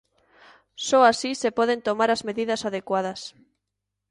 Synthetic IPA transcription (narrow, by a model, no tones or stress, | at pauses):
sɔasisepɔð̞ent̪omaɾazmeðiðasaðekwað̞as